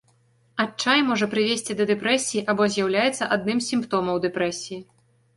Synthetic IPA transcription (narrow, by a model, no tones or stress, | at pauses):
at͡ʂajmɔʐɐpɾɨvʲesʲt͡sʲid̪ɐd̪ɛpɾɛsʲijiʔabɔzʲjawlʲajɛt̪sːɐʔad̪̚nɨmsʲimpt̪ɔmɐwd̪ɛpɾɛsʲiji